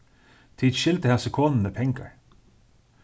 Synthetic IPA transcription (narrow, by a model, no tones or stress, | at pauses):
t̪ʰiːd̪ʃɪlt̪əhæsəkʰoːnn̩məpʰɛŋkə̰ɹ